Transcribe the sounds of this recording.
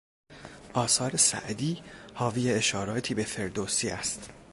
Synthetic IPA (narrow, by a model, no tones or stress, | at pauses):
ʔɒːsɒːɾe̞sæ̰ʔd̪iːhɒːviːjeeʃɒːɾɒːt̪ʰiːbe̞fe̞ɾd̪osiːæst̪